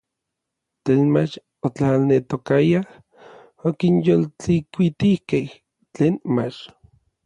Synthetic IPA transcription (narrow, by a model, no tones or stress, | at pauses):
t͡ɬeːnmat͡ʃ | ot͡ɬalnet̪okajah | okinjolt͡ɬikʷit̪ihkeh | t͡ɬeːnmat͡ʃ